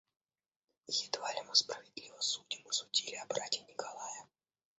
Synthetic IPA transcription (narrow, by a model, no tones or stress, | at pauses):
jʲɪd̪valʲɪmɨspɾəvʲɪd̪ʲlʲivəsudʲɪmɨsʊdʲilʲɪɐbɾatʲinʲɪkɐlˠajə